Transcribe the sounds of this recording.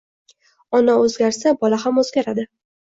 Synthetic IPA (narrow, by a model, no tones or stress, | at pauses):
ɒnaɵzɡʲaɾsabɒlahamɵzɡʲaɾad̪ɪ